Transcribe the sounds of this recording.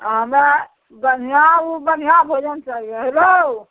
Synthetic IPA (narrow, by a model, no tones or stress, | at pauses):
ɦəme | bən̤ijãubən̤ijãbʱod͡ʒənt͡ʃaɦieɦelo